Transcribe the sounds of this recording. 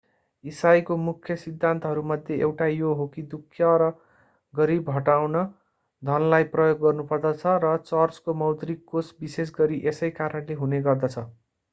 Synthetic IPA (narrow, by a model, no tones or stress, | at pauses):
isajkomukʰjʌsid̪ʱːant̪ʌɦʌɾumʌd̪ʱjeʔewʈajoɦokid̪ukʰjʌɾʌ | ɡʌɾibɦʌʈawnʌ | d̪ʱʌnlajprʌjoɡːʌrnupʌrd̪ʌt͡sʰʌrʌt͡sʌrt͡skomʌwd̪ɾikːosbises̬ɡʌɾiʔesʌjkaɾʌnleɦuneɡʌrd̪ʌt͡sʰʌ